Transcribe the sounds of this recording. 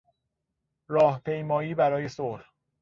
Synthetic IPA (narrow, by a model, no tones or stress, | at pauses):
ɾɒːhpʰe̞jmɒːjiːbæɾɒːje̞sol